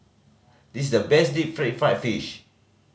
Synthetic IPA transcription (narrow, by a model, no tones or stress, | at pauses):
dis̬dəbɛsdip̚fɹɛt̚fɹatfiʃ